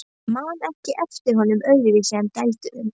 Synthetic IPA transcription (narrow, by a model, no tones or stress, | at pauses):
mawnɛhcɪʔɛft̪ɪɾ̥ɦɔnʏmœɥɾɪvɪsɛncɛjlt̪ʏʔʏm